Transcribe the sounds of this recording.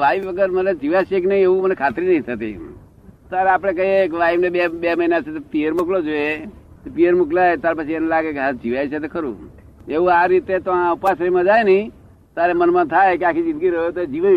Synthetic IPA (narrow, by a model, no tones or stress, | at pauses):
ʋaiʋʋəɡəɾmət̪ləd͡ʒiʋaʃeknəĩeʋũmənekʰat̪ɾinəɦĩt̪ʰət̪ḭ | t̪aɾeapɽ̃ekəɦiekeʋaiʋnebebeməinat͡ʃʰet̪opiəɾmoklod͡ʒoe | t̪opiəɾmuklajt̪aɾpət͡ʃʰienelaɡekeɦad͡ʒiʋajt͡ʃʰet̪ekəɾṵ̃ | eʋũaɾit̪et̪oãupasəɾimãd͡ʒajnəɦĩ | t̪aɾemənmãt̪ʰajkeakʰid͡ʒɪ̃nd̪ɡiɾəɦot̪oed͡ʒiʋa